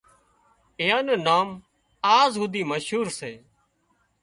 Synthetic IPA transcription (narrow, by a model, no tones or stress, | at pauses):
eːaːnẽːnaːm | aːzɦʊd̪iːməʃɦuːɾseː